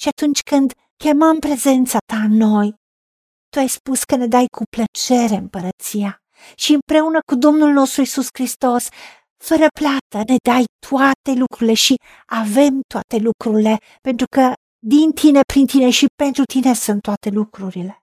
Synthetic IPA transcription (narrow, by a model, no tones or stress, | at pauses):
ʃiat̪unt͡ʃkɨnd̪ | kʲeməmpɾezent̪sat̪anːoj | t̪uajspuskəned̪ajkʰuplət͡ʃeɾeəmpəɾət̪sia | ʃiɨmpɾeunəkud̪omnulnost̪ɾuisuskɾist̪os | fəɾəplat̪əned̪ajt̪ʰuat̪elukɾuleʃi | avemt̪uat̪elukɾule | pent̪ɾukə | d̪int̪ʰinepɾint̪ineʃipent̪ɾut̪inesunt̪ːuwat̪elukɾuɾile